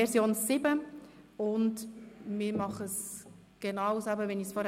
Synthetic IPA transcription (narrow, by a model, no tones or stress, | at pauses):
ɛɾsjoːnsɪbə | ʊndmɪːɾmɑχəs | ɡ̥enɑwsæbəʋɛnisfɔɾ